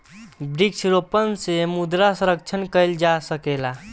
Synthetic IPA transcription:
bɾikt͡ʃʰɾopənsemud̪ɾasə̃ɾəkt͡ʃʰənkəɪld͡ʒasəkela

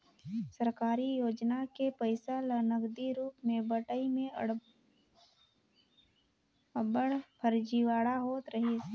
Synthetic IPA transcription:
səɾkaːɾijoːd͡ʒnakepəɪsalənəɡd̪iɾuːpmẽbəʈəimẽ | əbəɽpʰəɾd͡ʒiʋaːɽaɦoːt̪ɾɐɦes

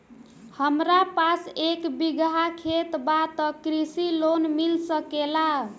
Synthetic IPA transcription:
həmɾapasekbiɡɦakʰet̪bat̪əkɾisilonmilsəkela

